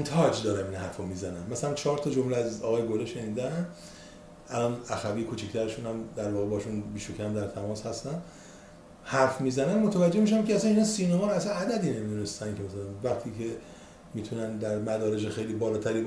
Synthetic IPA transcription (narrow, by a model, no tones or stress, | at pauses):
nt̪ʰɒd͡ʒd̪ɒːɾæminhæɾfomiːzænænmæsælænt͡ʃʰɒːɾt̪ʰɒːd͡ʒomleæzɒːɣɒːjeɡoleʃe̞niːd̪æn | ælɒːnæxæbijekʰut͡ʃʰict̪ʰæɾeʃuːnhæmd̪æɾvɒːɣebɒhʃunbiːʃocʰæmd̪æɾt̪ʰæmɒːshæst̪æn | hæɾfmiːzænænmot̪ʰævæd͡ʒːe̞hmiʃæmceæsæniːnɒːsiːnɒmɒæsænæd̪æd̪iːne̞mid̪unest̪ænkʰemæsælænvæχt̪ʰiːcʰe̞ | miːt̪ʰunænd̪æɾmæd̪ɒːɾeʃexe̞jliːbɒːlɒːt̪ʰæɾiːb